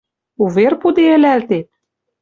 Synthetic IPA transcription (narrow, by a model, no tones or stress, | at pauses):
uverpud̪eɘ̆lælt̪et̪̚